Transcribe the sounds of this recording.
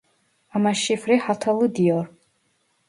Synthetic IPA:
amaʃifreħatʰalɨdijor

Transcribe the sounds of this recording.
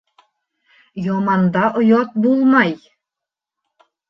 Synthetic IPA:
jɑmɑnd̪ɑʔŏjɑt̪̚bulˠmɑj

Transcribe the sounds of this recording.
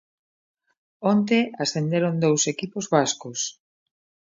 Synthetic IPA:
ont̪̬easθend̪eɾond̪owsekipozβaskos

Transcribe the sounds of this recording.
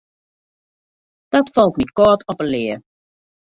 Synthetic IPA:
d̥ɔtfɔlˠknit̚kɔɹtɔpəlɪə

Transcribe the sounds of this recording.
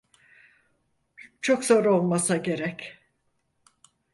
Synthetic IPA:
t͡ʃʰo̞kz̥o̞ɾo̞lˠmasaɟe̞ɾɛc

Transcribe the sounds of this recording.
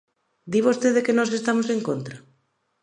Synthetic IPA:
d̪iβost̪eðekenɔs̬est̪amoseŋkont̪ɾɐ

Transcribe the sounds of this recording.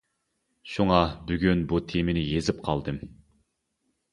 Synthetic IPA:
ʃuŋɑbyɡʲynbut̪ʰemɪnɪjezɪp̚qʰɑlˠd̪ɨm

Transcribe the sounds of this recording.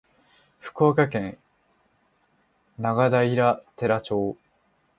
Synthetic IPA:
ɸɯ̟̥ko̞ːkakẽ̞n | naɡad̪aiɾat̪e̞ɾat͡ɕo̞ː

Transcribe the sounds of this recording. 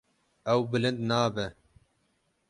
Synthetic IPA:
ɛwbɨlɨnd̪nɑːbɛ

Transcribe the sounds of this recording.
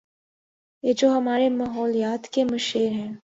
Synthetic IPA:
jed͡ʒoːɦɐmaːɾemaːɦɔːlijaːt̪kemʊʃeːɾɦɛ̃ː

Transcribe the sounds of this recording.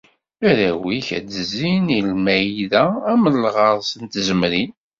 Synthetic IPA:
æɾæwiçæ̰dəzːinilmæjðæːməlʁɑɾˤsənt̪zəmɾi

